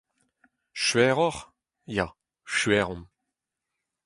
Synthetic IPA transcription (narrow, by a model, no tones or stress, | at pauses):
ʃɥɛːʁɔʁ | ja | ʃɥɛːʁɔ̃n